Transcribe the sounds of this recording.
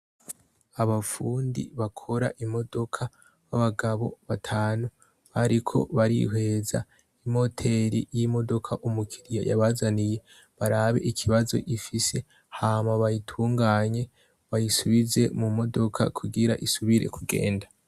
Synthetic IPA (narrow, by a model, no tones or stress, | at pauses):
aβafuːndḭβakʰo̞ɾa̰ʔimo̞do̞kʰa | βaβaɡaβo̞̰βatʰaːnu | βaɾikʰo̞̰βaɾḭɦwe̞za̰ | imo̞tʰe̞ɾḭjimo̞do̞kʰaʔumukʰiɾija̰ja̰βazanije̞ | βaɾaβe̞ʔikʰiβazo̞̰ʔifise̞ | haːmaβajitʰuːŋɡaːɲe̞ | βajisuβize̞mumo̞do̞kʰa̰kʰuɡiɾa̰ʔisuβiɾe̞̰kuɡe̞̰ːnda